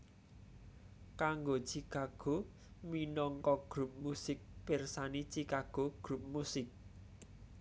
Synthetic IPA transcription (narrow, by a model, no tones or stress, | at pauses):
kaŋɡo̥ʒ̥ikaɡ̥o̤ | minɔŋkɔɡ̥ɾup̚musɪk̚persani̥t͡ʃikaɡ̥o̤ɡ̥ɾup̚musɪk̚